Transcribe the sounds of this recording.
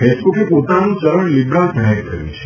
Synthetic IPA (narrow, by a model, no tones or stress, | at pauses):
fesbukepot̪anũt͡ʃəɾəɳlibɾalpəɽajt̪ʰəɾjṵ̃t͡ʃʰe̥